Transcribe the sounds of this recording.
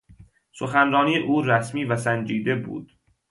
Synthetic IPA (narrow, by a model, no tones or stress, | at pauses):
so̞xænrɒːniːeʔuːɾæsmiːvæsænd͡ʒiːd̪e̞bṵːd̪̥